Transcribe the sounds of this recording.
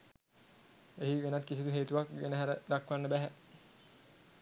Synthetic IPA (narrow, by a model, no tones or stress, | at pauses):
eɦiʋenat̪kisit̪uɦeːt̪uʋakʋḛnəɦæɾəd̪akʋanːəbæɦæ